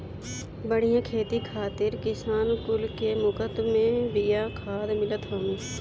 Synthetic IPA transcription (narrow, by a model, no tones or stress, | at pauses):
bəɽ̤ijãkʰeːt̪ikʰaːt̪ɪɾkɪsaːnkʊlkemʊkət̪mẽbɪjakʰaːd̪mɪlət̪ɦəm